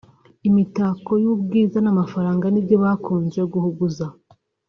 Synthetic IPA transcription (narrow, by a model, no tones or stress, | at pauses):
imitako̞jubɡiːzanamafaɾaːŋɡanibɟo̞βaːkuːnzwe̞ɡuhuɡuza